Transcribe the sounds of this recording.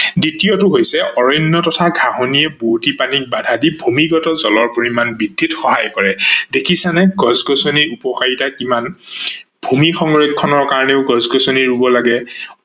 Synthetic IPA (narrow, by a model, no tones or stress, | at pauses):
ditijotʊɦojsɛʔɔɹɔjnːɔtɔtʰaɡʱaɦonijɛbutipanik̚badʱadibʱumiɡɔtɔzɔlɔɹpoɹimanbidʱːitxɔɦajkɔɹɛdekʰisanɛɡɔzɡɔsoniupɔxaɹitakiman | bʱumixɔŋɹekʰːɔnɔɹkaɹɔnɛʊɡɔzɡɔsoniɹubɔlaɡɛ